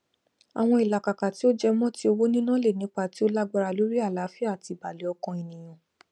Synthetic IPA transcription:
a̰˨w̃ɔ̃˧i˨la˨ka˨ka˨ti˨˦o˦d͡ʒɛ˧mɔ̃˦ti˦o˧wo˦nĩ˦nã˦le˦˨nĩ˨˦k͡pa˦˨ti˨˦o˦la˦ɡ͡ba˧ɾa˧lo˨˦ɾi˦a˦˨la˨˦fi˦a˦˨ti˧˨ba˨li˨˦ɔ˧kɔ̃˧i˨nĩ˨j̃ã˨

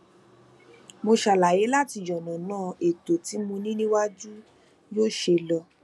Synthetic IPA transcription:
mo˧ʃa˧˨la˨je˨˦la˦ti˧jɔ˨nã˨nãː˦˨e˨to˨ti˨˦mũ˧nĩ˦nĩ˦wa˦d͡ʒu˦ | joː˦ʃe˧lɔ˧

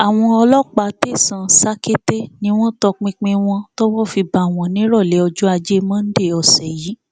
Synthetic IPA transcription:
a˨w̃ɔ̃˧ɔ˧lɔ˦k͡pa˨˦te˦˨sã˨sa˦ke˦te˦nĩ˦w̃ɔ̃˦tɔ˧k͡pĩ˧k͡pĩ˧w̃ɔ̃˧to˦wɔ̃˦fi˧ba˨w̃ɔ̃˨nĩ˨˦ɾɔ˦˨lɛ˨˦ɔ˧d͡ʒu˦a˧d͡ʒe˦mã˦n̩˦de˦˨ɔ˨sɛ˨ji˨˦

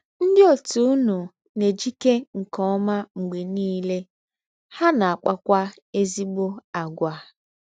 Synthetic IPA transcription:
n̩˦dɪ˦o˨tu˨ʊ˦nu˨ | ne˨d͡ʒi˦ke˦ŋ̩˨kɔ˦ma˦ŋ͡m̩˨ɡ͡be˨niː˦le˦ | ha˦na˨a˨k͡pa˦kʷa˦ | e˦zi˦ɡ͡bo˦a˨ɡʷa˨

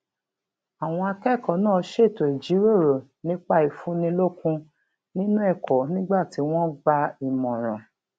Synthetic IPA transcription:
a˨w̃ɔ̃˧a˧kɛ˦˨kɔ˨˦nãː˦˨˧ʃe˦˨to˨i˨d͡ʒi˨˦ɾo˦˨ɾo˨nĩ˦k͡pa˦i˨fũ˨˦nĩ˧lo˦kũ˧ | nĩ˦nũ˦ɛ˦˨kɔ˨˦nĩ˦ɡ͡ba˦˨ti˨˦w̃ɔ̃˦ɡ͡ba˧i˨mɔ̃˨ɾ̃ɔ̰̃˨

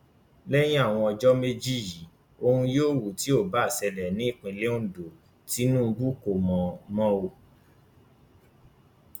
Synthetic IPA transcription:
lɛ˦j̃ĩ˦a˦˨w̃ɔ̃˧ɔ˧d͡ʒɔ˦me˦d͡ʒi˦˨ji˨˦ | o˧hũ˧joː˦˨wu˨ti˨˦o˦˨ba˦˨sɛ˧lɛ˨nĩ˦i˦˨k͡pĩ˧le˦ũ˦˨do˨ | ti˨˦nũ˦˧bu˦ko˨mɔ̃˨mɔ̃˦o˧

